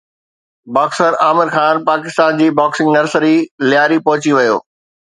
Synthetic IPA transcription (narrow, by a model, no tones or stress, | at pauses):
baːksəɾaːmɪɾxaːnpaːkɪst̪aːnd͡ʑiːbaːksɪ̃ŋɡnɐɾsəɾilɪjaːɾipɐɦʊt͡ɕiʋɐjo̰ː